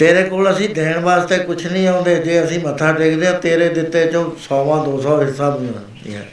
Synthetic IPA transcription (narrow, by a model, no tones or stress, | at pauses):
t̪eːɾeːkoːləsĩːd̪eːɳbaːzt̪eːkʊt͡ʃʰnĩːãːʊ̃nd̪eːd͡ʒeːəsĩːmət̪ʰːaːʈeːkʰd̪eːãːt̪eːɾeːd̪ɪt̪ːeːt͡ʃõːsɔːʋãːd̪oːsɔːɦɪsaːbenã̰ːnd̪ḭːɦɛ̰ː